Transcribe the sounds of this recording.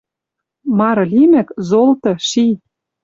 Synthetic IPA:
mɑɾɤ̆lʲimɘ̆kzolt̪ɤ̆ʃi

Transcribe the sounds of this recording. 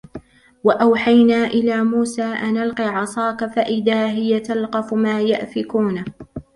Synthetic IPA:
waʔawħajnaːʔɪlaːmuːsaːʔanalqiːʕɑsˤɑːkafaʔɪðaːɦɪjat̪alqɑfʊmaːjaʔfɪkuːn

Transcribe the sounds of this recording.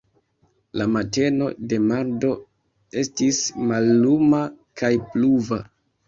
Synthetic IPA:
lamate̞no̞̰de̞mando̞ | e̞stismalːumakʰajpluva

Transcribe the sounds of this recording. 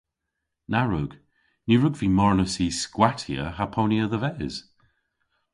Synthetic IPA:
naɹəɡ̥ | nuɹʊɡvimɔɹnəsiːskwatʰiə̰apʰoniəðəvɛːz̥

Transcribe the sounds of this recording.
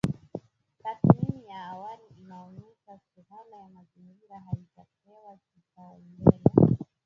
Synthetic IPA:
tatminijaːwaliinaunizasuhalajamaziŋɡiɾaɦaitapɛwakikalɛla

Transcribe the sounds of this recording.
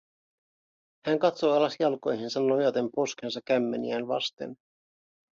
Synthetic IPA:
hæŋkɑt̪so̞jɑlɑsjɑlko̞jɦinsɑnːojɑt̪empo̞skens̬ɑkːæmːenḭænʋɑ̰st̪ḛn

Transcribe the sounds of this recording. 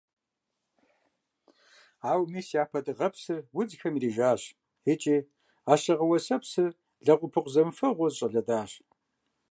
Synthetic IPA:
aːwmiːsjaːpʰɐdɨʁɐpsɨwʊd͡zxɐmiriːʒaːɕ | et͡ʃʼiː | aːɕɐʁɐwɐsɐpsɨ | ɮɐqʷʊpʰɨqʷzɐmfɐʁʷɔzɕʼɐɮɐdaːɕ

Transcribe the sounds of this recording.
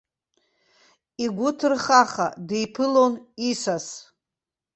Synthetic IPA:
iɡʷʊtʰɨrχaχa̰dejpʰɨlonisas

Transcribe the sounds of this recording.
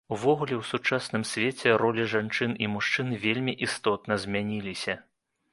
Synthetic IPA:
uvɔɣulʲɛwsut͡ʂasnɨmsʲvʲet͡sʲɛɾɔlʲiʐant͡ʂɨnimuʂt͡ʂɨnvʲelʲmʲiʔist̪ɔt̪nɐzʲmʲanʲilʲisʲɐ

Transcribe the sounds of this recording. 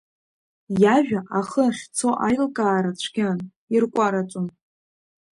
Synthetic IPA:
jaʒᶣaʔaχəχʲt͡sʰoʔajlkʼaːɾat͡ɕʷʰɡʲan | irkʷʼaɾat͡ʃʷʼʊm

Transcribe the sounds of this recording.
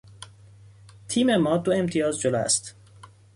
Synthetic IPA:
t̪ʰiːmemɒːd̪oe̞mt̪ʰijɒːzd͡ʒoloːæ̰st̪

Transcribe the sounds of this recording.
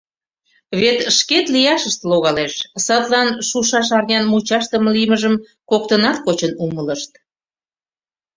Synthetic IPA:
βet̪ʃket̪lijɑʃəʃt̪loɣɑleʃsɑt̪lɑnʃuʃɑʃɑrnʲɑnmut͡ɕɑʃt̪əməlijməʒəm | kokt̪ənɑt̪kot͡ɕənumələʃt̪

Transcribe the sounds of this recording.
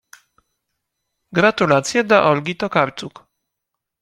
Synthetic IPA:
ɡɾat̪ulat̪sʲjɛd̪aʔɔlɡʲit̪ɔkaɾt̪suk

